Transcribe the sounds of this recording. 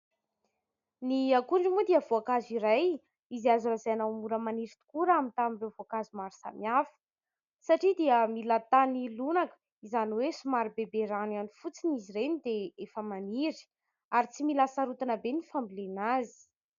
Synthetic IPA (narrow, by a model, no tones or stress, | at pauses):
niakuɳɖ͡ʐimud̪iəvoakaziɾaj | iziazuɾazaanawmuɾəmaniɾit̪u̥kuɾəamint̪amiɳrewvoakazimaɾi̥sa̰miafə̥ | saʈ͡ʂid̪iəmilat̪anilunakə̥ | izaniwesumaɾibebeɾananifut͡siniziɾenid̪eefəmaniɾi̥ | aɾit͡similasaɾut̪anəbenifambilenazi̥